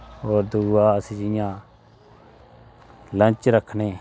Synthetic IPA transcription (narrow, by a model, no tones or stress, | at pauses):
oːɾd̪uːaːəsĩːd͡ʒɪjãː | lə̃nt͡ʃɾəkʰneː